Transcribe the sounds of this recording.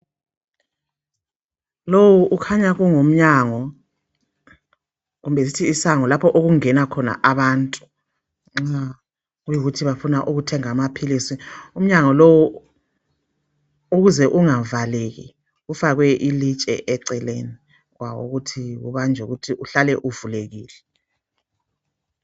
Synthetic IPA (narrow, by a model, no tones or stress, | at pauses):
lowuʔukʰaɲaɣuŋom̩ɲaŋɔ | ɣumbɛs̬itʰiːsaŋɔlapʰɔʔoɣuŋɛnakʰɔna̰ʔaβaːntʼu̥ | ŋ͡ǁa | ujiɣutʰiβafunaʔuɣutʰɛŋamapʰilisium̩ɲaŋɔlowɔ | uɣuzɛʔuŋavaleɣḭ | ɣufaɣwɛʔilit͡ʃʼɛ̰ʔɛǀɛleni | ɣwawo̰ɣutʰiɣṵβand͡ʒʱuɣutʰiʔuɬalɛʔuvuleɣiːlɛ